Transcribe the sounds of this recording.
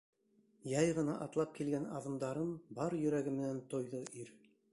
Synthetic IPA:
jɑjʁɤ̆nɑʔɑt̪lˠɑp̚kilɡænɑðɤ̆md̪ɑɾɤnbɑɾjɵ̆ɾæɡɘmɘ̆nænt̪ŏjðɤʔiɾ

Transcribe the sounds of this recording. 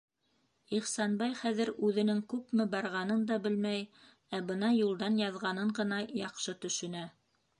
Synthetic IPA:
iχsɑnbɑjχæðɘ̆ɾʉðɘ̆nɘŋkʉpmɘbɑɾʁɑn̪ɤnd̪ɑbɘlmæj | æbɤnɑjulˠd̪ɑnjɑðʁɑnɤɴɢɤ̆nɑjɑqʃɤt̪ɵ̆ʃɵ̆næ

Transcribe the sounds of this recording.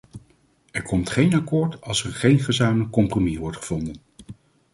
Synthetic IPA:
ɛɹkɔmtχejnakʊːɹtɑlˠsɛɹχejnχəzaːmələkːɔmpromiʋɔɹtχəv̥ɔndən

